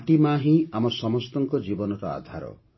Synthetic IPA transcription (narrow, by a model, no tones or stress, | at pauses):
ʈimaɦĩamɔsɔmɔst̪ɔŋkɔd͡ʒibɔnɔɾɔa̰d̪ʱaɾɔ̰